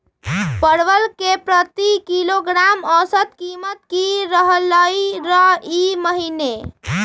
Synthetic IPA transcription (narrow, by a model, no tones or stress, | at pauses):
pəɾʋəlkepɾət̪ikiloɡɾamə̃sət̪kimət̪̚kiɾəɦələiɾəiməɦine